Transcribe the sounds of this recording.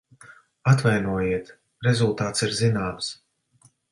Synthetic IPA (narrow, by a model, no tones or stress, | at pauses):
at̪vajnuɔjiɛt̪ | ɾɛzulˠt̪aːt̪siɾzinaːms